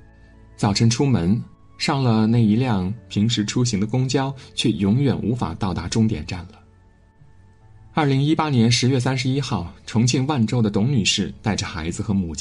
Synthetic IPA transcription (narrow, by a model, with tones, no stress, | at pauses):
t͡sɑ˨˩ʊʈ͡ʂʰə˧˥nʈ͡ʂʰu˥mə˧˥n | ʂɑ˥˩ŋlə˨ne˥˩ɪi˧˥ljɑ˥˩ŋpʰi˧˥ŋʂɻ̩˧˥ʈ͡ʂʰu˥ɕi˧˥ŋd̪ə˧kʊ˥ŋt͡ɕjɑ˥ʊt͡ɕʰɥɛ˥˩jʊ˧˥ŋɥɛ˨˩nʔṵ˧˥fa̰˨˩t̪ɑ˥˩ʊt̪a˧˥ʈ͡ʂʊ˥ŋt̪jɛ̰˨˩nʈ͡ʂa˥˩nlə˩ | ɐ˞˥˩li˧˥ŋi˥pa˥njɛ˧˥nʂɻ̩˧˥ɥɛ˥˩s̬a˥nʂ̬ɻ̩˧i˥xɑ˥˩ʊʈ͡ʂʰʊ˧˥ŋt͡ɕʰi˥˧ŋwa˥˩nʈ͡ʂo˥ʊd̪ə˨t̪ʊ˧˥ŋny˨˩ʂɻ̩˥˩t̪a˥˩ɪʈ͡ʂə˩xa˧˥ɪd͡zɹ̩˧xɤ˧˥mu˨˩t͡ɕ